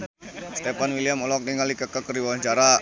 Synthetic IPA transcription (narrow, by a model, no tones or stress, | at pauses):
st̪epanwiliamɔlɔk̚niŋalikəkəkːəriwaɲt͡ʃaɾa